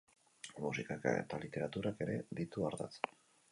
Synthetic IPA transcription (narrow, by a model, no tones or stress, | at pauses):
musikakḛt̪alit̪e̞ɾat̪uɾake̞ɾe̞ðit̪uaɾða̰t͡s